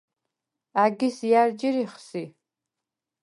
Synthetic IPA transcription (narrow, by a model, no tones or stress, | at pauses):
aɡʲisjard͡ʒiɾiχsi